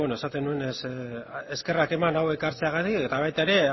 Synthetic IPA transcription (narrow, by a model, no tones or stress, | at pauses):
enoesat̪e̞nue̞neseske̞rake̞manawekaɾt͡se̞aɣat̪ie̞t̪aβ̞ajt̪ae̞ɾe̞